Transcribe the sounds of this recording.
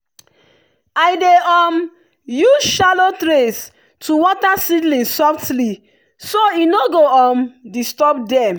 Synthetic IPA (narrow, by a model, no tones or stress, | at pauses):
aɪdeɔm | juʃalotɾes | tʰuwɔtasidlĩnsɔftli | soinoɡoɔ̃mdistɔp̚dɛ̃m